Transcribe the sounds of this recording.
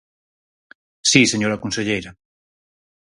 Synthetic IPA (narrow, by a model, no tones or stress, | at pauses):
siseɲoɾakunseʎejɾa